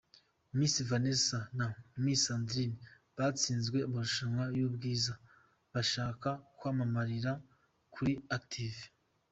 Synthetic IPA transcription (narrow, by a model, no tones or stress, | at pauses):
mumisivanesanaumisandɾini | βat͡siːnzɡwe̞amaɾuʃaŋajuːbɡiːza | βaʃaːkakwaːmamaɾiɾa | kʰuɾiaktʰiv